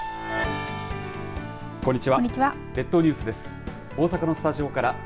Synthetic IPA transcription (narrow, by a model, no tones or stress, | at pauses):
kõ̞ɲ̟ːit͡ɕiβaɲːit͡ɕiβa | d̪e̞t̪ːo̞ɲ̟ɨ̟ːsɨd̪esɨ̥ | o̞ːsakano̞sɨ̥t̪aʑio̞kaɾa